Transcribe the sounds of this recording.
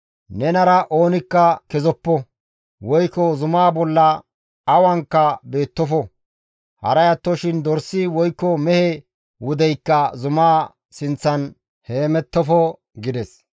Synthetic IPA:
nɛnɐɾɐʔo̞ːnɪkːɐkɛzɔpːɔ | wɔjkɔzʊmaːbɔlːɐ | ɐwɐŋkːɐbe̞ːt̪ːɔfɔ | hɐ̰ɾɐjɐt̪ːɔʃɪnd̪ɔɾsːɪwɔjkːɔmɛhɛ | wʊd̪ɛjkːɐzʊmaː | sɪnt͡sːɐn | heːmɛt̪ːɔfɔ | ɡɪd̪ɛs

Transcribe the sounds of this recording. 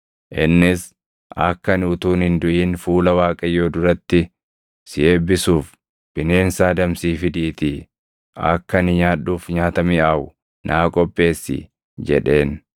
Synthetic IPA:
ʔɪnːɪs | ʔɐ̰kːɐnʊt̪uːnhɪnd̪ʊʔiːnfuːlɐwaːkʼɐjːo̞ːd̪ʊɾɐt̪ːɪ | sɪʔe̞ːbɪsuːf | b̥ɪne̞ːnsaːd̪ɐmsiːfɪd̪ɪːt̪ɪ | ʔɐ̰kːɐnɪɲaːᶑuːfɲaːt̪ɐmɪʔaːʔʊ | nʔaːkʼɔpʼːe̞ːsːɪ̰ | d͡ʒɛ̰ᶑe̞ːn

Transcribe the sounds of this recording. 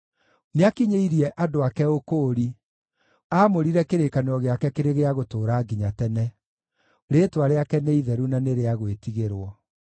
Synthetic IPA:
neakiɲeiɾiɛʔadoakɛokoːɾi | aːmoɾiɾɛkeɾekaneɔɣeakɛkeɾeɣeaɣotoːɾaːɡiɲatɛnɛ | ɾeːtwaɾeakɛneiðɛɾunaneɾeaɣwetiɣeɾwɔ

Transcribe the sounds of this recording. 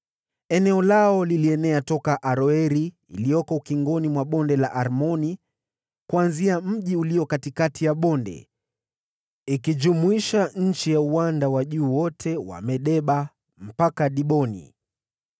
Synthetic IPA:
ɛnɛɔlaɔliliɛnɛatɔkaʔaɾɔɛɾi | ilijɔkɔukiŋɡɔnimwaɓɔndɛla̰ʔaɾmɔni | kuanziam̩ʄiuliɔkatikatʰijaɓɔndɛ̰ | ikid͡ʒumuiʃaɲ̩t͡ʃijauwandawaʄuːwɔtʰɛwa̰mɛɗɛɓa | m̩pakaɗiɓɔnḭ

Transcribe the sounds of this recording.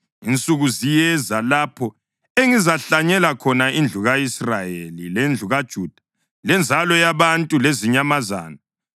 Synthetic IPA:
int͡sʼuɣuzijɛzalapʰɔ | eŋizaɬaɲɛlakʰɔnaind͡ɮʱuɣaisrajelilend͡ɮʱuɣad̥ʒ̥ʱuːd̥ʱḁ | lɛnd͡zʱalɔjaβantʼuleziɲamaza̰ːna

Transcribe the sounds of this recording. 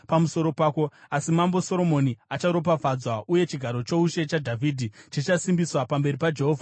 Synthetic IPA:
pamuso̞ɾo̞paːko̞asimambo̞so̞ɾo̞mo̞niat͡ʃaɾo̞p̬afad͡zwauje̞t͡ʃiɡʱaɾo̞t͡ʃo̞uʃe̞t͡ʃadʱavʱidʱit͡ʃit͡ʃasimbiswapambe̞ripad͡ʒeɦo̞ːvʱa

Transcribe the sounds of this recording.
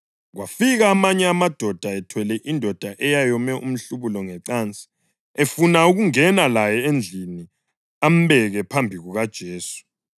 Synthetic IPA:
ɣwafiɣaːmaɲɛamad̥ʱɔd̥ʱaɛtʰwɛlɛʔindʱɔd̥ʱaʔɛjajɔmɛʔṵm̩ɬuβulɔŋɛǀant͡sʼi̥ | efunauɣuŋɛnalajɛend͡ɮʱini | am̩βɛɣɛpʰambʱiɣuɣad̥ʒ̥ʱeːsu̥

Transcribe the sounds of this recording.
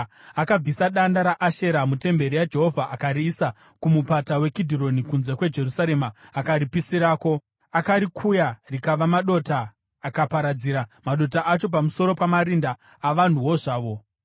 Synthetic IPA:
akab͡visaɗandaɾaʔaʃe̞ɾamute̞mbe̞ɾijad͡ʒe̞ɦo̞vʱaʔakaɾiːsa | kumupatawe̞kidʱiro̞nikunze̞kwe̞d͡ʒe̞rusaɾe̞maakaɾipisiɾaːko̞ | akaɾikʰujarikaʋamaɗo̞taː | kapaɾad͡ziɾamaɗo̞t̬aʔat͡ʃo̞p̬amuso̞ɾo̞pamaɾindaː | ʋan̤uwo̞ʐaːʋo̞

